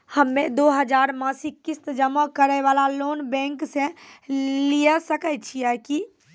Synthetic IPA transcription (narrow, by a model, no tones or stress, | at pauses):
həmːẽd̪oːɦəd͡ʒaːɾmãsikɪst̪d͡ʒəməkəɾɛʋaːlaloːnbɛ̃ːŋksẽ | liəsəkət͡ʃʰiɛki